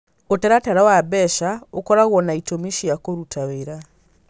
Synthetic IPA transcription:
otɛɾataɾawabɛʃaokɔɾaɣɔnaitomiʃiakoɾutʰaβeɾa

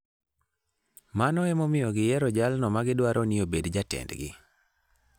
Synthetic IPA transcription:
manɔɛmomɪjɔɡɪjɛɾɔd͡ʒalnɔmaɡɪdwaɾʔoniobedd͡ʒatɛ̰ndɡɪ̰

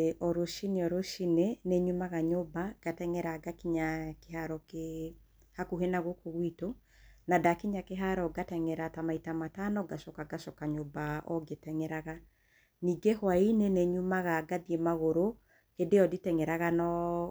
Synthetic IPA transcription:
ʔɔɾoʃineɔɾoʃineneɲomaɣaɲobaɡ̥atɛŋɛɾaɡakiɲakehaɾɔke | hakuhenaɣokoɣwito | nadakiɲakeɦaɾɔɡatɛŋɛɾatamaitamatanɔɡaʃɔkaɡaʃɔkaɲobaɔɡetɛŋɛɾaɣa | niːɡehwaineneɲumaɣaɡaðiemaɣoɾo | hedeɔditɛŋɛɾaɣanɔ

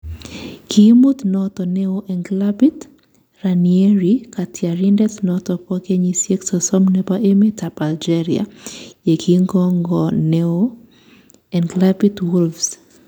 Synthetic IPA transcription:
kʰimot̪nɔt̪ɔneoʔɛnɡlapit̪ | ranieɾikatʰjaɾindɛt̪nɔt̪ɔpɔkeɲisjeksɔsɔmnepaʔemetapald͡ʒɛɾia̰jekʰiŋɡɔŋɡɔneo | ɛnɡlapitwulfs

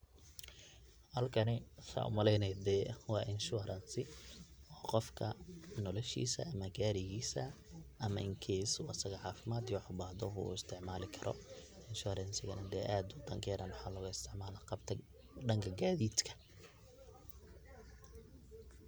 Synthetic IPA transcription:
hɐlkʰɐnɪsa̰ːʊ̰mɐlɛjnɛjd̪ɛːwɑːʔɪnʃʊɾʔɐnsɪɔːqɔfkʰɐnɔlɔʃḭːsɐ̰ɐmɐɡaːɾɪɣiːsɐ | ʔɐmɐʔɪŋkʰɛːsuɐsɐɣɐʕɑːfɪmaːd̪jwħʊbaːhd̪ɔɦṵːɪst̪ʰɪʕmaːlɪkʰɐɾɔ̰ | ɪnʃʊɾɛnsɪɣɐnɐd̪ɛːʔaːd̪ʊd̪ɐŋkʰɛːðɐnwħaːlɔːɣʊɪst̪ʰɪʕmaːlɐqɑbt̪ʰɐ | ɖɐŋkʰɐɡaːðiːd̪kʰɐ̥

